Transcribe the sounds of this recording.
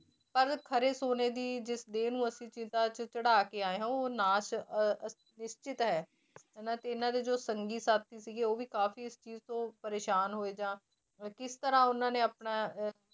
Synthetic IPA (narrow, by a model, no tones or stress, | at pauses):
pəɾkʰəɾeːsoːneːd̪iːd͡ʒɪsd̪eːnũːəsĩːt͡ʃɪ̃nt̪aːt͡ʃət͡ʃəɽaːkeːaːeːɦãːoːnaːʃ | nɪʃt͡ʃɪt̪ɦɛː | naːt̪eɪnãːd̪eːd͡ʒoːsəŋɡiːsaːt̪̚ːiːsiːɡeːoːʋiːkaːfiːɪst͡ʃiːzt̪õːpəɾeːʃaːnɦoːeːd͡ʒãː | kɪst̪əɾãːʊnãːneːaːpnaː